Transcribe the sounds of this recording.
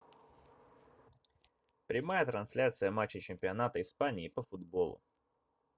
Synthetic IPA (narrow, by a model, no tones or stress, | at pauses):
pɾʲɪmajət̪ɾɐnsʲlʲat̪sɨjəmat͡ɕːɪt͡ɕɪmʲpʲɪɐnat̪əɪspanʲɪːpəfʊd̪bo̞lˠʊ̰